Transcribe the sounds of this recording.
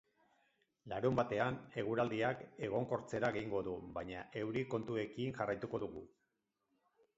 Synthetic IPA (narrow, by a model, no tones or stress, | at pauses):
laɾumbat̪e̞ane̞ɣ̞uɾald̪iake̞ɣ̞o̞ŋko̞ɾt͡se̞ɾaɣe̞iŋɡo̞ðuβaɲaʔe̞wɾiko̞nt̪ue̞kiŋʝarajt̪uko̞ðuɣ̞u